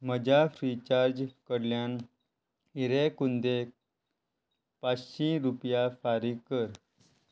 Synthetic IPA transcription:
məd͡ʑʱafɾit͡ɕaɾd͡ʑkəɾljan | iɾekund̪e | pat͡sɕĩɾupjafaɾikːəɾ

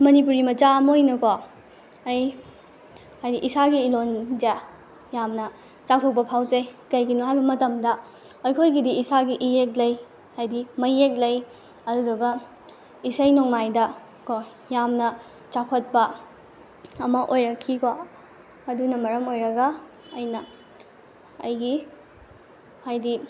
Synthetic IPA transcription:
mɐnip̬uɾimɐt͡ʃamojnɐko | ɐj | hajdiʔisaɡiːlond͡ʒa | jamnɐ | t͡ʃak̚tʰok̚pɐpʰawzekɐjɡinoɦajbɐmɐtɐmdɐ | ojkʰojɡidiːsaɡiʔiek̚lɐj | ajdimɐjek̚lɐj | ɐdudɐɡɐ | isɐjnoŋmajdɐ | ko | jamnɐ | t͡ʃakʰɐt̚pɐ | ɐmɐʔojɾɐkʰːikʰo | ɐdunɐmɐɾɐmojɾɐɡɐ | ɐjnɐ | ɐ̰jɡi | hajdi

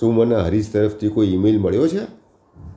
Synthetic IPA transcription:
ũmanaɦəɾid͡ʒt̪əɾəft̪ʰikoiimelməɭjot͡ʃʰe

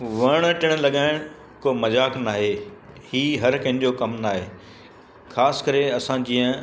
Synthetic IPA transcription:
ʋɐɽ̃ʈɪɽ̃̆lɐɠaːɪɽ̃ | koːmɐzaːknaːɦeː | hiːɦɐɾkɐ̃ɦɪ̃d͡ʑokɐmnaːɦeː | xʰaːsɪ̥kɐɾeɐsãd͡ʑĩːə̃

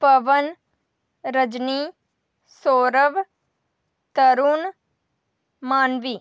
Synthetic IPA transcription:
pɐʋən | ɾəd͡ʒni | soːɾəʋ | t̪ɐɾuːn | maːnʋiː

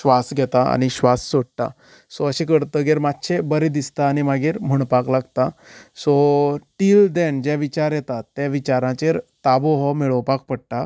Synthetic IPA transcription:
ɕʋasɡʱɛt̪aa̰ñiɕʋasːoɽt̪a̰ | sɔəɕẽkəɾt̪əɡeɾmat̪ːɕʰebəɾed̪ist̪aːñimaɡeɾm̤uɳpaklaɡt̪asɔʈiːld̪ɛɳd͡ʑɛʋit͡ɕaɾjɛt̪at̪ːjaʋit͡ɕaɾãt͡ɕeɾt̪aboɦɔmeɭəwpak̚pəɽʈ̪a

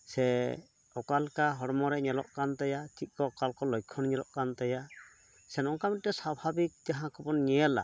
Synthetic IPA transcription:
sɛ | ɔkalkaɦɔɽmɔɾɛɲɛlɔ̰ʔkant̪ajatʰit̪̚ˀkɔkalkɔlɔjkʰɔnɲɛlɔʔkant̪aja | sɛnɔŋkamitːɛsabʱabik̚t̪aɦãkɔbɔnɲɛla̰

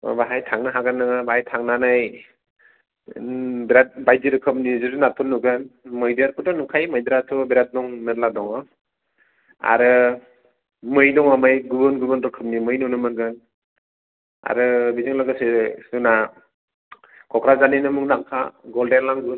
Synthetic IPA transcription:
baɦajtʰaŋnɯɦaɡanːɯŋbaɦajtʰaŋnanaj | biɾat̚bajdiɾɯkʰɯp̚nizuzɯnatʰunːuɡɯnmɯjdɯɾputanukʰajmajdɾatʰɔbiɾat̚dɔŋnat̚ladɔŋɔ | a̰ɾɯ | mɯjdɔŋamajɡubɯnɡubɯnɾɯkʰɯp̚nimɯjnɔnɯmɯnɡɯn | a̰ɾɯbizɯŋlaɡɯsesuna | kʰɔkʰɾazaninɯmɯŋnaŋkʰa̰ɡɔldenlaŋɡɯ

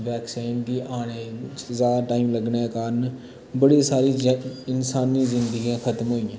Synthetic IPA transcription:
ʋɛːksiːnd̪iːʔaːɽ̃eːzaːd̪aːʈaːiːmləɡɳeːkaːɾən | bəɽiːsaːɾiːɪnsaːniːzɪnd̪əɡijãːkʰət̪mɦoːiːãː

